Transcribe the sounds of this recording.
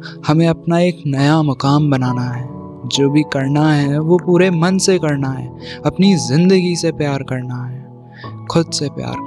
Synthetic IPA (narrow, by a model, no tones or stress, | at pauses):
hɐmẽɐpnaeːknɐjamɐkaːmbɐnaːnaɦɛː | d͡ʒoːbʱikɐɾnaɦɛʋopuːɾemɐnsekɐɾnaɦɛ̰ːɐpnizɪ̃nd̪əɡisepjaːɾkɐɾnaɦɛː | kʰʊd̪sepja̰ːɾ